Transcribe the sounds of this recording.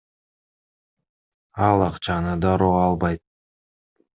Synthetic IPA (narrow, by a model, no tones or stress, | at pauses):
ɑlˠɑqt͡ʃɑnɯd̪ɑɾoːɑlˠbɑjt̪̚